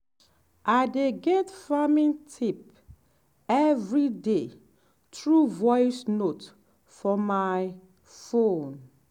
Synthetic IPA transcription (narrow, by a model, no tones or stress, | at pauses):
adeɡɛtfamĩntʰip̚ | ɛvɹide | tɹuvɔjsnot | fɔmaɪ | fõn